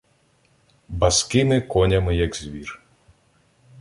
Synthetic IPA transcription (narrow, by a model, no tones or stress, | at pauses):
bɐskɪmɪkɔnʲɐmɪjɐɡzʲʋʲir